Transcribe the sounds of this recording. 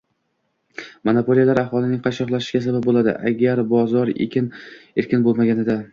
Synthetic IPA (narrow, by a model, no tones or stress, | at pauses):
monopolˠijalaɾahɒlˠɪnɪŋqʰɑʃɒqlˠaʃɪ̥ʃɡʲasabap̚bolad̪ɪ̰ʔaɡʲaɾbɒzɒɾḛkʲʰɪneɾkʲɪnbolˠmaɡʲanɪd̪a